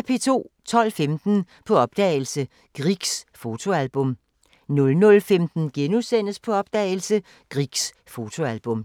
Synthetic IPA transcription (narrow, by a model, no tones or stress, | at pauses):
epʰe̝ːt͡sʰo̝̰ːt͡sʰɒ̽l̰femd̥n̩ | pʰɒ̽ɒ̽b̥̚d̥ɛ̰ːɪl̩sə | ɡ̥ʁiɡ̥sfo̝t͡sʰo̝ælb̥ɔ̽m | nɔ̽lnɔ̽lfemd̥n̩ɡ̥enusen̰əspʰɒ̽ɒ̽b̥d̥ɛ̰ːɪlsə | ɡ̥ʁiɡ̥s | fo̝t͡sʰo̝ælb̥ɔ̽m